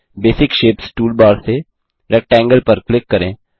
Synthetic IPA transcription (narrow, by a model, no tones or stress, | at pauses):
beːsɪkʃeːpsʈuːlbaːɾse | ɾɛk̚ʈɛ̃ːŋɡəlpɐɾklɪkːɐɾẽː